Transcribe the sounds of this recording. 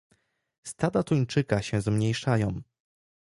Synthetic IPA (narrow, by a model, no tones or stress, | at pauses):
st̪ad̪at̪ujt͡ʂɘkaɕɛ̃zmɲejʂajɔ̃w̃